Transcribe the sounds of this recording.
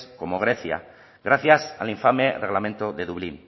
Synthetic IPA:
skomoɣ̞ɾeθja̰ | ɣɾaθjasa̰liɱfamereɣlament̪oðe̞ðuβlin

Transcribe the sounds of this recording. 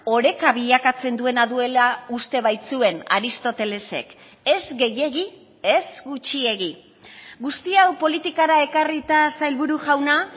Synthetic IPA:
o̞ɾe̞kaβiʎakat͡se̞nd̪ue̞naðue̞laust̪e̞βajt͡sue̞na̰ɾist̪o̞t̪e̞le̞se̞̰k | e̞zɡe̞je̞ɣi | e̞zɡut͡ʃie̞ɣi | ɡust̪iawpo̞lit̪ikaɾae̞karit̪asajlβuɾuʝawna

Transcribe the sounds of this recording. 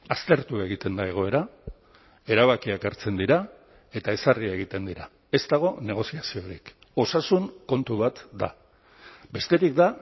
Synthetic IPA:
ast̪e̞ɾt̪ue̞ɣ̞it̪e̞nd̪ae̞ɣ̞o̞e̞ɾa | e̞ɾaβ̞akiakaɾt͡se̞nd̪iɾa | e̞t̪ae̞sariae̞ɣ̞it̪e̞nd̪iɾa | e̞st̪aɣ̞o̞ne̞ɣ̞o̞siasio̞ɾḭk | o̞sasuŋko̞nt̪uβ̞at̪d̪a̰ | be̞st̪e̞ɾikd̪a

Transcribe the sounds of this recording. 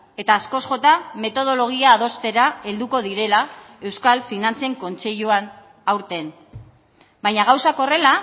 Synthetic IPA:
e̞t̪aːsko̞sʝo̞t̪ame̞t̪o̞ð̞o̞lo̞ɣ̞iaːð̞o̞st̪e̞ɾae̞ld̪uko̞ð̞iɾe̞la | e̞wskalfinant͡seŋko̞nt͡se̞ʎuan | awɾt̪e̞n | bajɲaɣ̞awsako̞re̞la

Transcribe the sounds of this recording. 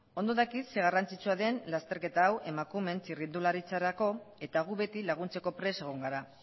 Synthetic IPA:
o̞nd̪o̞ðakit̪se̞ɣ̞arant͡sit͡suaðe̞nlast̪e̞ɾke̞t̪aːwe̞makume̞nt͡sirind̪ulaɾit͡saɾako̞e̞t̪aɣ̞uβe̞t̪ilaɣ̞unt͡se̞ko̞pɾe̞se̞ɣ̞o̞ŋɡaɾa

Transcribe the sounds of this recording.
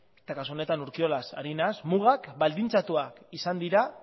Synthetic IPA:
et̪akasuo̞ne̞t̪anuɾkio̞lasa̰ɾinasmuɣ̞akbald̪int͡sat̪uakisand̪iɾa

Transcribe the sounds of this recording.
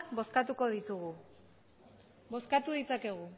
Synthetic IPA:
bo̞skat̪uko̞ð̞it̪uɣu | bo̞skat̪uðit͡sake̞ɣ̞u

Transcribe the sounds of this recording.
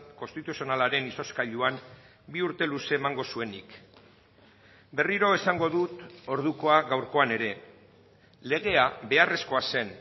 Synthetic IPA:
ko̞st̪it̪usio̞nalaɾe̞niso̞skaʎuam | biuɾt̪e̞luse̞ːmaŋɡo̞sue̞nik | be̞riɾo̞e̞saŋɡo̞ðut̪o̞ɾðuko̞aɣawɾko̞ane̞ɾe̞ | le̞ɣ̞e̞aβe̞are̞sko̞ase̞n

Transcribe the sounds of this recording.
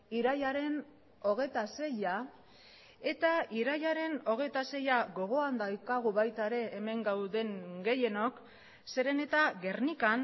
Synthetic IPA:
iɾajaɾe̞n | o̞ɣ̞e̞t̪ase̞ja | e̞t̪aiɾajaɾe̞no̞ɣ̞e̞t̪ase̞jaɣo̞ɣ̞o̞and̪ajkaɣ̞uβajt̪aeɾe̞ːme̞ŋɡawðe̞ŋɡe̞je̞no̞k | se̞ɾe̞ne̞t̪aɣe̞rnikan

